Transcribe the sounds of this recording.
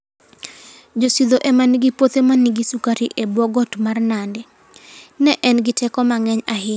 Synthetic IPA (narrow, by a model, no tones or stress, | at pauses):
d͡ʒosid̪oʔemanɡipot̪emaniɡisukaɾiʔebwɔɡɔtmarnandɛ | nɛʔɛnɡɪtɛkɔmaŋɛɲaɦɪ